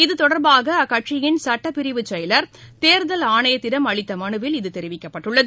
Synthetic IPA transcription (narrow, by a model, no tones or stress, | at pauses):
ɪðɯt̪ɔɽɐɾbaːɣɐɐkːɐʈʂɪjɪnsɐʈːɐpɪɾɪʋɯt͡ʃːɐjɪlɐɾt̪eːɾðɐlaːɳɐjɐt̪ːɪɾɐmɐɭɪt̪ːɐmɐnɯʋɪlɪðɯt̪ɛɾɪʋɪkːɐpːɐʈːɯɭːɐðɯ